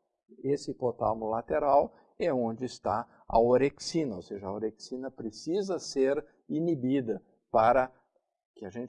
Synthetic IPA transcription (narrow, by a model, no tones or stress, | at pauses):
esɪpot̪a̰mʊlat̪eɾaw | ɛõnd͡ʒɪːst̪a̰ | ɐ̰oɾeksĩnɐoseʒɐɐoɾeksinɐpɾesizɐseɾ | inibid̪ɐ | paɾɐ | kɪɐʒẽnt͡ʃ